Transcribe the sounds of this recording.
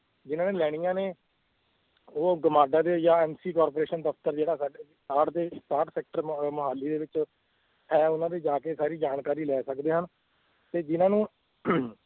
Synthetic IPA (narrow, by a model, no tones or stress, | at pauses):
d͡ʒɪnãːneːlɛːɽijãːneː | oːɡəmaːɖaːd̪eːjaːɛːmsiːkaːɾpoːɾeːʃənd̪əpʰt̪əɾd͡ʒeːɽaːsaːɖeː | ʈaːʈd̪eːʈaːʈsɛːk̚ʈəɾmʊɦaːlːiːd̪eːʋɪt͡ʃ | hɛːʊnãːd̪eːd͡ʒaːkeːsaːɾiːd͡ʒaːnkaːɾiːlɛːsəkd̪eːɦən | t̪eːd͡ʒɪnãːnũː